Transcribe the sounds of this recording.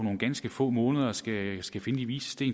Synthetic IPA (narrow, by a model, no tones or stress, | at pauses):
ɒno̝ːn̩ɡ̥ænsɡ̥əfɔ̰̽ːmɔ̽ːnəðˠɐsɡ̥æsɡ̥æfe̝nəd̥iʋiːsə̥sd̥e̝̰ːn